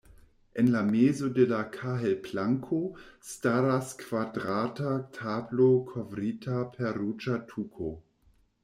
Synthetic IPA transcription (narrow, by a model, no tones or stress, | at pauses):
ʔenlameːzodelakʰaɦelplaŋkʰostaɾaskv̥adʁaːtatʰaːblokʰovɾiːtʰapʰɛɐɾut͡ʃatʰukʰo